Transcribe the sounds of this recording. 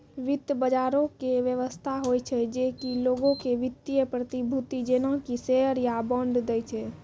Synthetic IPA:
ʋit̪jəbəd͡ʒaɾokeʋjəʋəst̪ʰaɦojt͡ʃʰɛd͡ʒekiloɡõkeʋit̪ːijəpɾət̪ibʱut̪id͡ʒenɔ̃kisɛɦəɾjabɔɳɖd̪ɛjt͡ʃʰɛ

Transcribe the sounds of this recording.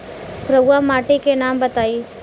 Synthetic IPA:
pɾɐbaːmaːʈikenaːmbɐt̪aːiː

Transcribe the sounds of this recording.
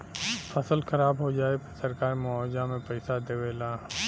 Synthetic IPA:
fʰɐsəlxɐɾaːbɦod͡ʒaːepʰesɐɾkaːɾmʊɔːd͡ʒamẽpɛɪsad̪eːʋeːlaː

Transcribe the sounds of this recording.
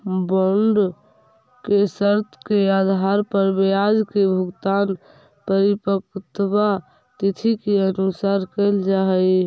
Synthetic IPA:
bɔɳɖ | kesəɾt̪ʰkead̪ʱaɾpəɾbead͡ʒkebʱəɡt̪an | pəɾipəkt̪ba | t̪it̪ʰikeənusaɾkəld͡ʒaɦəj

